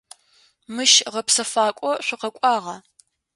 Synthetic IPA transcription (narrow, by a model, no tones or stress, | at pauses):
mɨʃʁɐpsɐfaːkʷʼɔɕʷʊqɐkʷʼɑːʁɐ